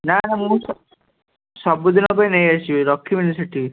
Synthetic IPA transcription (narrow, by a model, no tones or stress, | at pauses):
nanamũsɔ | sɔbud̪ʱinɔpajnejasiɾɔkʰːiminiseʈi